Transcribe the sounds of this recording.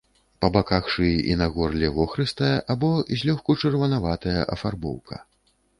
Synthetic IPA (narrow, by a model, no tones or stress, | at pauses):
pɐbakaxʂɨjiʔḭnaɣɔrlʲɛvɔxɾɨst̪ɐjɛʔabɔzʲlʲɔxkut͡ʂɨrvɐnavat̪ɐjɐ̰ʔɐfarbɔ̰wkʰɐ̰